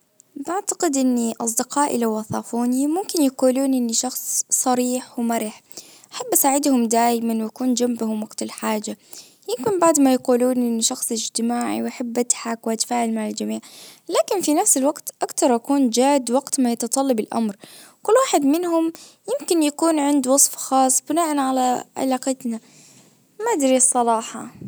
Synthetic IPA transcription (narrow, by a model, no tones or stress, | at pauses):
baʕt̪ḁqɪd̪ʔɪnːiʔɑsˤd̪ɪqɑːʔɪ̰lawʔɑθˤɑːfuːnimʊmkɪnjaquːluːnʔɪnːiʃɑxsˤsˤɑɾiːħwmaɾɪħ | ʔaħabːʔasaːʕɪd̪hʊmd̪aːjɪmanwakuːnd͡ʒambhʊmwɑɡt̪ɪlħaːd͡ʒa | jɪmkɪnbaʕd̪majaquːluːnʔɪnːiʃɑxsˤɪd͡ʒt̪ɪmaːʕḭwʔaħabːʔat̪ħaːkwʔat̪ḁfaːʕɪlmaʕald͡ʒamiːʕlaːkɪnfinafsɪlwaqt̪ʔakt̪ɑɾˤʔakuːnd͡ʒaːd̪wɑɡt̪majɑt̪ɑt̪ˤɑlːɑbɪlʔa̰mɾ | kʊlːwaːħɪd̪mɪnhʊmjɪmkɪnjakuːnʕɪnd̪wɑsˤfxɑːsˤːbɪnaːʔanʕalaʕa̰laːqɪt̪na | mad̪ɾisˤːɑlˤɑːħɑ̰